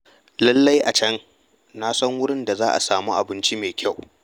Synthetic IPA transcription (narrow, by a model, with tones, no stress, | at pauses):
lɐ˦lːa˦jʔa˨t͡ʃɐ˦ŋ | na˦sɐ˦ŋwʊ˦ɽɪ˦nda˨zaː˦ʔa̰˨saː˨muː˦ʔa˨bɪ˦nt͡ʃi˦meː˨kʲʰa˦˨w